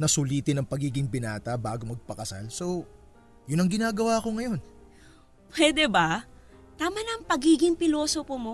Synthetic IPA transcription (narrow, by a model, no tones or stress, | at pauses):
nɐsʊliːt̪ɪnɐŋpɐɡiːɡɪŋpɪnaːt̪ɐbaːɡo̞mɐɡ̚pɐkɐsa̰lso̞ | jʊnɐŋɡɪnaːɡɐwaːɐko̞ŋɐjo̞n | pwɛːd̪ɛbɐ | t̪aːmɐnɐŋpɐɡiːɡɪŋpɪlo̞ːsopomo̞